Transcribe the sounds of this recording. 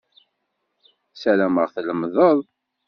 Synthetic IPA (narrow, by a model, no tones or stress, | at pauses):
sælæməʁθləmðˤəðˤ